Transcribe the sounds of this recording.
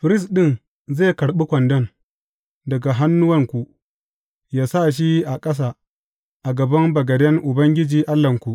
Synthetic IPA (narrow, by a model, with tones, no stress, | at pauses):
ɸɪ˨ɾɪ˦s̬ɗɪ˦n | zeː˦˨kɐ˨ɽɓi˦kʷɐ˨ndɐ˦n | dɐ˨ɡa˨ɦa˦nːʊ˦wɐ˦ŋkʷu˨ | jaː˦sa˦˨ʃ̬i˦ʔa˨kʼɐ˦s̬aː˨ | ʔa˨ɡɐ˨bɐ˦mbɐ˨ɡɐ˨dɛ˦ŋʔʊ˨bɐ˦ŋɡʲɪ˦d͡ʒiː˨ʔa˦lːɐ˨ŋkʷu˨ʔ